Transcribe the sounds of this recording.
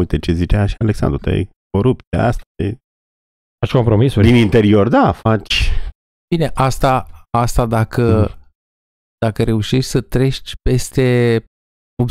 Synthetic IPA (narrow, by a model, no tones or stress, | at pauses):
ujt̪et͡ʃezit͡ʃeaʃialeksa̰nd̪ɾut̪a̰jko̞ɾup̚t̪a̰ast̪aej | fat͡ʃʲko̞mpɾo̞misud̪inint̪e̞ɾio̞rd̪afat͡ʃʲ | bine̞ʔast̪aast̪ad̪akə | d̪̥akəɾe̞uʃeʃʲsət̪ɾe̞ʃt͡ʃ̪ʲpe̞st̪e̞ | ob